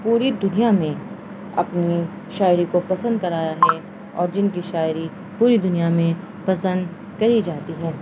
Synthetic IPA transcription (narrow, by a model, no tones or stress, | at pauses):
puːɾid̪ʊnijamẽ | ɐ̰pni | ʃaːɪɾikopɐsə̃nd̪̚kɐɾaːjaɦɛ | ɔ̰ːɾd͡ʒɪnkiʃaːɪɾi | puːɾid̪ʊnijamẽ | pɐsə̃nd̪ | kɐɾid͡ʒaːt̪iɦɛː